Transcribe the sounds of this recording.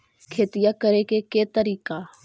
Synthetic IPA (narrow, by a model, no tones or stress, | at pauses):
kʰeːt̪ijakəɾekeket̪əɾiːka